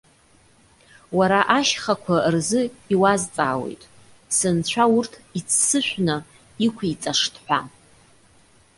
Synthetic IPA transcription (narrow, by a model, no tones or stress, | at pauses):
waɾaʔaʃχakʷʰarzɨiwazt͡sʼaːwḛjtʼ | sɨnt͡ɕʷʰaurtʰit͡sʰsɨʃᶣʷnɨ | ikʷʰit͡sʼaʂtʰʼħʷᶣa